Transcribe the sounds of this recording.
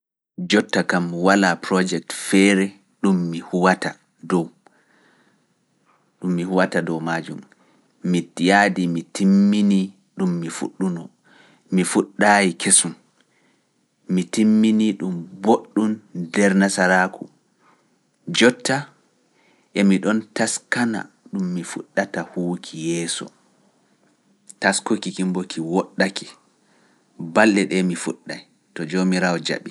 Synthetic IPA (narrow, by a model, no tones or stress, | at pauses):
d͡ʒɔtːakamwalapɾɔd͡ʒɛk̚tfɛɾɛ | ɗumːihuwata | dɔw | ɗumːihuwatadɔwmaːd͡ʒṵmː | itijaːdimitʰimːini | ɗumːifṵɗːunɔ | mifuɗːaːjikʰesum | itimːiniɗumboɗːundɛɾnasaɾaku | d͡ʒɔtːa | ʔɛmiɗɔntaskana̰ | ɗumːifṵɗːatahuːkʰijɛːsɔ̰ | taskokikimbokʰiwɔɗːaki̥ | balːɛɗɛmifṵɗːaj | tɔd͡ʒomiɾawɔd͡ʒa̰ɓi